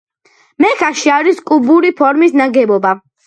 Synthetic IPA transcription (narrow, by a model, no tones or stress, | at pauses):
mɛkʰaʃiaɾiskʼubuɾipʰɔɾmisnaɡɛbɔba